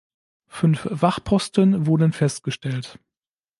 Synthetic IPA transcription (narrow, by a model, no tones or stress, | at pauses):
fʏnfv̥aχpʰɔstənvʊɐdənfɛstɡ̥əʃtɛlt